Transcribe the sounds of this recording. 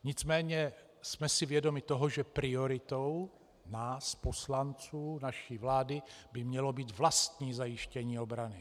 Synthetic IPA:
ɲɪt͡smɛːɲɛ | smɛsɪvjɛdo̞mɪt̪o̞ɦoʒɛpɾɪo̞ɾɪt̪ow | naːspo̞slant͡suːnaʃiːvlaːdɪbɪmɲɛlo̞biːt̪vlast̪ɲiːzajɪʃcɛɲiːo̞bɾanɪ

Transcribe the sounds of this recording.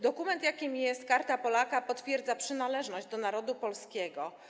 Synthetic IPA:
d̪ɔkumɛnt̪jakʲimʲijɛst̪̚kaɾt̪apɔlakapɔt̪fʲjɛɾd̪zapʂɘnalɛʐnɔʑd͡ʑd̪ɔnaɾɔd̪upɔlskʲɛɡɔ

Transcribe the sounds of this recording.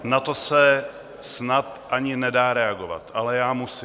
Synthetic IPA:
nat̪osɛ | snat̪ʔaɲɪnɛdaːɾɛaɡova̰t̪ʔalɛjaːmus

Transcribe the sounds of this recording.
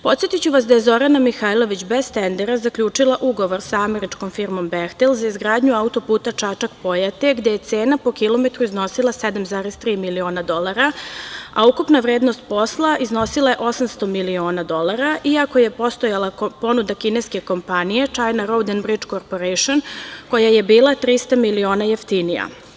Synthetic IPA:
po̞t̪sje̞t̪it͡ɕuʋasd̪ajezo̞ɾanamixaːjlˠo̞ʋit͡ɕbe̞zt̪end̪eɾazakʎʲuːt͡ʂilˠaʔuɡo̞ʋo̞ɾsaame̞ɾit͡ʂko̞mfiɾmo̞mbext̪elˠzaizɡɾaːd̪ɲuaut̪o̞puːt̪at͡ʂat͡ʂakpo̞jat̪e̞ɡd̪ejet̪se̞ːnapo̞kilo̞met̪ɾuizno̞silˠased̪amzaːɾest̪ɾiːmilio̞ːnad̪o̞lˠaɾaaukupnaʋɾeːd̪no̞st̪̚po̞slˠaizno̞silˠaje̞ʔo̞samst̪omilio̞ːnad̪o̞lˠaɾaʔiako̞je̞po̞st̪ojalˠapo̞nud̪akineske̞ko̞mpanije̞t͡ʂajnaɾo̞wd̪enbɾit͡ʂkoɾpoɾejʃonko̞jaje̞biːlˠat̪ɾist̪amilio̞ːnajeft̪inija̰

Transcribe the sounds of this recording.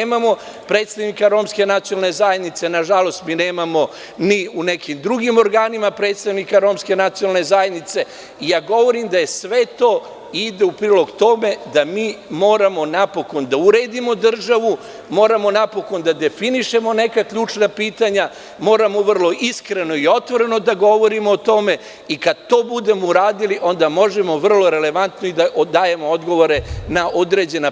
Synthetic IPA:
eːmamo̞ | pɾeːt̪st̪aʋnikaɾo̞ːmske̞nat̪sionalˠne̞zajed̪nit̪se̞naʒalo̞st̪miːne̞ːmamo̞ | niune̞kimd̪ɾuɡimo̞ɾɡaːnimapɾe̞ːt̪st̪aʋnikaɾo̞ːmske̞nat̪sionalˠne̞zajed̪nit̪se̞ | ijaːɡo̞ʋo̞ɾimd̪aje̞sʋe̞t̪o̞ː | id̪eupɾiːlˠo̞ɡt̪o̞me̞d̪amiːmo̞ːɾamo̞napo̞ko̞nd̪auɾeːd̪imo̞d̪r̩ʒaʋu | mo̞ːɾamo̞napo̞ko̞nd̪ad̪e̞finiʃe̞mo̞ne̞kakʎuːt͡ʃnapiːt̪aɲa | mo̞ːɾamoʋər̩lˠo̞ʔiskɾe̞no̞io̞t̪ʋoɾe̞no̞d̪aɡo̞ʋo̞ɾimoːt̪o̞me̞ | ikad̪̚t̪o̞ːbud̪e̞mouɾaːd̪iliʔo̞nd̪amo̞ʒemo̞ʋr̩lo̞ɾe̞le̞ʋant̪noid̪aʔd̪aːje̞mood̪ɡo̞ʋo̞ɾe̞naʔo̞d̪ɾe̞ːd͡ʑe̞na

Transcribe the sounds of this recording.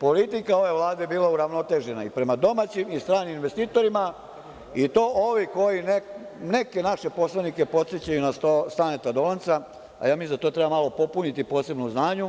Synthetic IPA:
po̞lit̪ikao̞ʋe̞ʋlˠaːd̪e̞biːlauɾaʋno̞t̪e̞ːʒe̞naipɾe̞mad̪o̞mat͡ɕimist̪ɾaːniminʋe̞st̪iːt̪o̞ɾima | it̪o̞ːʔoʋiko̞jine | ne̞ke̞naʃe̞po̞slˠanike̞po̞t̪set͡ɕajunast̪ost̪anet̪ad̪olant̪sa | a̰jaːmizat̪o̞t̪ɾebamalo̞po̞punit̪ipoːse̞bnuznaːɲu

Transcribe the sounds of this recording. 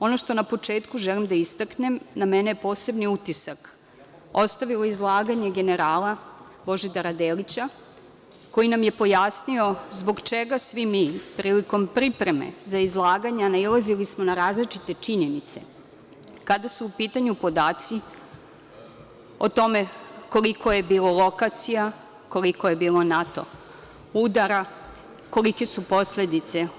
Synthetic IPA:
o̞noʃt̪o̞napo̞t͡ʂe̞ːt̪kuʒelimd̪aist̪akne̞mnamene̞jepo̞ːse̞bniut̪isak | ost̪aʋiloizlˠaːɡaɲe̞ɡe̞ne̞ɾaːla | bo̞ʒid̪aɾad̪eːlit͡ɕa | kojinamje̞po̞jasnio̞zbo̞ɡt͡ʃeɡasʋimipɾiːliko̞mpɾipɾe̞me̞̰zaizlˠaːɡaɲanaizlˠazilismonaɾaːzlit͡ʃit̪e̞t͡ʂiɲe̞nit̪se̞̰ | kad̪asuːpiːt̪aɲupo̞d̪aːt̪si | ot̪o̞me̞ko̞liko̞jebiːlolˠo̞kat̪sija | ko̞likojebiːlo̞nat̪o̞̰ | ud̪aɾa | ko̞like̞supo̞sle̞d̪it̪se̞

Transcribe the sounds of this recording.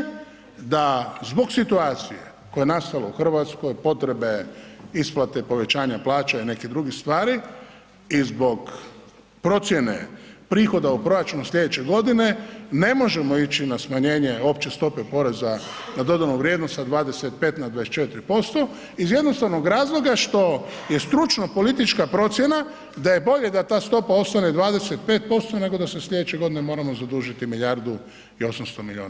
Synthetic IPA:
d̪azbo̞ɡsit̪uaːt̪sijḛ | ko̞jenast̪alouxr̩ʋat̪sko̞jpo̞t̪ɾe̞be̞isplˠat̪e̞po̞ʋe̞t͡ɕaːɲaplaːt͡ʃaine̞kid̪ɾuɡist̪ʋaːɾi | izbo̞ɡ | pɾo̞t̪sje̞ne̞̰pɾiːxo̞d̪aupɾo̞jat͡ʃunoslʎe̞d̪et͡ɕe̞ɡo̞d̪ine̞ne̞mo̞ʒe̞moit͡ɕinasmaɲe̞ːɲeo̞pt͡ɕe̞st̪o̞pe̞po̞ɾe̞za | nad̪o̞d̪anuʋɾjed̪nost̪ad̪ʋaːd̪e̞set̪̚pe̞ːt̪nad̪ʋaest͡ʃet̪ɾipo̞st̪o̞ | izje̞d̪no̞st̪aʋnoɡɾaːzlˠo̞ɡaʃt̪o̞je̞st̪ɾut͡ʃnopo̞lit̪it͡ʃkapɾo̞t̪sje̞na | d̪aje̞bo̞ʎed̪at̪aːst̪o̞pao̞st̪aned̪ʋaːd̪e̞set̪̚peːt̪̚po̞st̪o̞ne̞ɡo̞d̪asesʎʲe̞d̪et͡ɕt͡ʃeɡo̞d̪ine̞mo̞ːɾamo̞zad̪uʒit̪imiʎjaɾd̪u | io̞samst̪omiʎʲiṵːna

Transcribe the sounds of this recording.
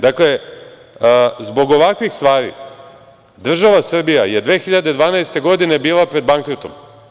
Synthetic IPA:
d̪akle̞ | zbo̞ɡo̞ʋakʋixst̪ʋaːɾḭ | d̪r̩ʒaʋasr̩bija̰jed̪ʋe̞ːxiʎad̪ed̪ʋaːnaest̪e̞ɡo̞d̪ine̞biːlˠapɾe̞d̪̚baŋkɾot̪o̞̰m

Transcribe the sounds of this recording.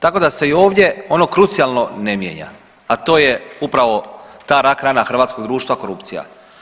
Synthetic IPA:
t̪ako̞d̪ase̞io̞ːʋd̪je̞o̞no̞kɾut̪sijalˠno̞nemjḛɲa̰ | at̪o̞ːje̞upɾaʋo̞t̪aːɾakɾaːnaxr̩ʋaːt̪sko̞ɡd̪ɾuːʃt̪ʋako̞ɾupt̪sija̰

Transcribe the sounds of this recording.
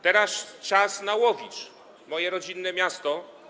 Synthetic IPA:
t̪ɛɾast͡ʂasnawɔvʲit͡ʂ | mɔjɛɾɔd͡ʑinːɛmʲjast̪ɔ

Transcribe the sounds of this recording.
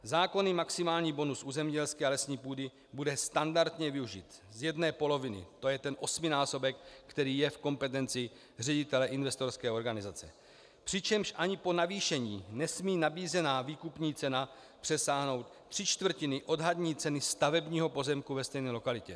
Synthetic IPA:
zaːko̞nɪmaksɪmaːlɲiːbo̞nusʔuːzɛmɲɟɛlskɛːalɛsɲiːpuːdɪ | budɛst̪andaɾt̪ɲɛvɪuʒḭːt̪zjɛdnɛːpo̞lo̞vɪnɪ̰t̪o̞jɛt̪ɛnʔo̞smɪnaːso̞bɛkːt̪ɛɾiːjɛfko̞mpɛt̪ɛnt͡sɪ | r̝ɛɟɪt̪ɛlɛʔɪnvɛst̪o̞ɾskɛːo̞ɾɡanɪzat͡sɛ | pr̥ɪt͡ʃɛmʃʔaɲɪpo̞naviːʃɛɲiːnɛsmiːnabiːzɛnaːviːkupɲiːt͡sɛna | pr̝̥ɛsaːɦno̞wt̪̚r̝̥ɪt͡ʃt̪vr̩cɪnɪʔo̞dɦad̪ɲiːt͡sɛnɪst̪avɛbɲiːɦo̞po̞zɛmkuvɛst̪ɛjnɛːlo̞kalɪcɛ

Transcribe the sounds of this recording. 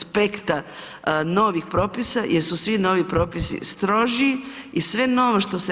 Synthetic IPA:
pe̞kt̪a | no̞ʋixpɾo̞ːpisajʔeɾsusʋino̞ʋipɾo̞ːpisḭst̪ɾo̞ʒii | isʋe̞no̞ʋoʃt̪o̞se

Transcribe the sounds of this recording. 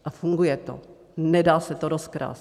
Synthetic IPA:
ʔafuŋɡujɛt̪o̰ | nɛdaːsɛt̪oɾoskɾa̰ːs

